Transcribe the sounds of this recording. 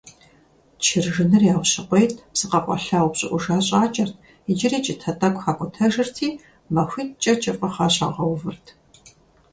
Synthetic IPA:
t͡ʃʰɪrʒɨnɨrjaːwʷɕɪqʷejtʰpsɨqɐqʷʼɔ̰ɬaːwʷpɕʼɪ̰ʔʷʊʒaːɕʼaːt͡ʃʼɐrtʰ | ɪd͡ʒɪriːt͡ʃʼɪtʰɐtʼɐkʷxaːkʷʼʊtʰɐʒɨrtʰiː | mɐxʷitt͡ʃʼɐt͡ʃʼɐfʷʼɐχaːɕʼaːʁɐwvɨrtʰ

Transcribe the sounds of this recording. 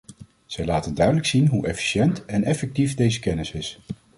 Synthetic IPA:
z̥ɛjlaːtəndœɥdələksinɦuʔɛfi̥ʃɛntɛnɛfɛk̚tifdejzəkɛnɪsɪs

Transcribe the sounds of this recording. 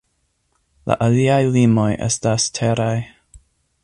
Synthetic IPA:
la̰ʔaliajlimo̞jʔḛstastʰeɾaj

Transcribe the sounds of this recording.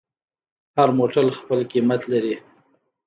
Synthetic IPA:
haɾmoʈalxpəlkimat̪laɾi

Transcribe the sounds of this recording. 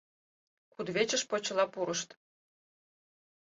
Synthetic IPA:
kud̪βet͡ɕə̆ʃpot͡ɕɤ̆lɑpuɾəʃt̪

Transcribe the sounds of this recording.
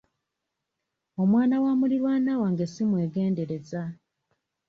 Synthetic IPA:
o̞mwaːnawaːmuliɾwaːnawaŋɡesimwe̞ːɡe̞ːnde̞ɾe̞za

